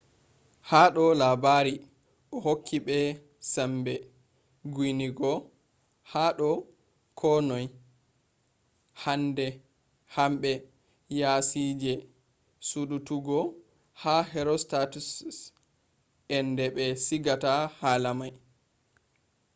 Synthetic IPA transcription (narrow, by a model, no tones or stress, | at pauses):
haːɗɔlabaɾi | ʔɔhokʰːiɓɛ | sambɛ | ɡwiniɡɔ | haɗɔ | kʰɔnɔj | handɛ | hamɓɛ | jasid͡ʒɛ | suɗutuɡɔ | hahɛɾɔstatus | ɛndɛɓɛsiɡatahaːlamaj